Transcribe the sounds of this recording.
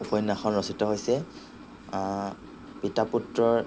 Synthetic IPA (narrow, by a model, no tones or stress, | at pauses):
upɔjnaxɔnɹɔsitɔɦojsɛ | pitaputɹɔɹ